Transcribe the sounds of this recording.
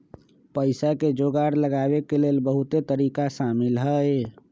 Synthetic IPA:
pəɪsaked͡ʒoɡaɾləɡabekelelbəɦut̪et̪əɾikasamilɦəe

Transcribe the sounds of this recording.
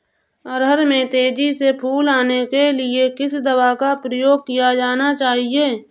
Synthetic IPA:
əɾɦəɾmẽt̪eːd͡ʒisepʰuːlaːnekelɪekɪsd̪əwaːkapɾəjoːɡ̚kijad͡ʒaːnat͡ʃaːɦieː

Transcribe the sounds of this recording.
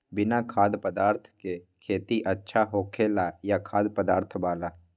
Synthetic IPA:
bɪnakʰaːd̪pəd̪aːɾt̪ʰkekʰeːt̪iʔətːʃʰaɦoːkʰeːlajakʰaːd̪pəd̪aːɾt̪ʰbaːla

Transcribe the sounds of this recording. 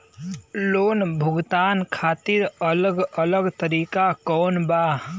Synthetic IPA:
loːnbʱʊɡt̪aːnkʰaːt̪iɾələɡələɡt̪əɾiːkakɔːnba

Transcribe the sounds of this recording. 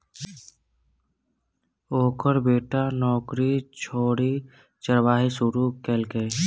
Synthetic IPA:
oːkəɾbeːʈanɔːkɾit͡ʃʰoːɽi | t͡ʃəɾʋaːɦisʊɾukeːlkeː

